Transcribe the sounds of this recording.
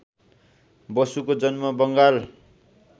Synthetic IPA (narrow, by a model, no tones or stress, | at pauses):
bʌsukod͡zʌnmʌbʌŋɡal